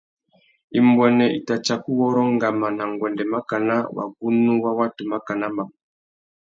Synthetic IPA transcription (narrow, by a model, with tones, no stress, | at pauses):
i˨mbwɛ˨nɛ˨i˨ta˨t͡ʃa˨ku˦wɔ˦ɾɔ˦ŋɡa˨ma˨na˨ŋɡwɛ˨ndɛ˨ma˦ka˨na˦wa̰˨ɡu˦nu˦wa˦wa˦tu˨ma˦ka˨na˦ma˨